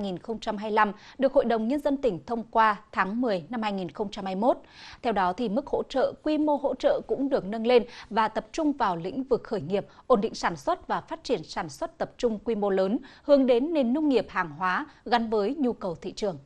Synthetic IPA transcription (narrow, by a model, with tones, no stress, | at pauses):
jŋi˨˩nxə˧wŋ͡mt͡ɕa˧mɦaː˧jla˧mɗɨ˨˩ək̚ho̰˧˨jɗə˨˩wŋ͡mɲə˧nzə˧nt̪ï˧˩ŋ̟t̪ʰə˧wŋ͡mkwaː˧t̪ʰaː˨˦ŋmɨ˨˩əjna˧mhaː˧jŋi˨˩nxə˧wŋ͡mt͡ɕa˧mhaː˧jmo˦˥t̚t̪ʰɛ˧wɗɔ˨˦t̪ʰi˨˩mɨ˦˥k̚ho̰˧˥t͡ɕə̰ː˧˨kwi˧mo˧hɦo̰˧˥t͡ɕə̰ː˧˨kʊ̰˧˥ŋ͡mɗɨ˨˩ək̚nə˧nle˧nvaː˨˩t̪ə˨˩p̚t͡ɕʊ˧ŋ͡mvaː˨˩wlḭ̈˧˥ŋ̟vɨ˨˩k̚xəː˧˩jŋi˨˩əp̚ʔo˧˩nɗḭ˧˨ŋ̟saː˧˩nswə˦˥t̚vaː˨˩faː˦˥t̚t͡ɕi˧˩ənsaː˧˩nswə˦˥t̚t̪ə˨˩p̚t͡ɕʊ˧ŋ͡mkwi˧mo˧ləː˨˦nhɨ˨˦əŋɗe˨˦nːe˨˩nːə˧wŋ͡mŋi˨˩əp̚haː˨˩ŋɦwaː˨˦ɣa˨˦nvəː˨˦jɲu˧kə˨˩wt̪ʰḭ˧˨t͡ɕɨ˨˩əŋ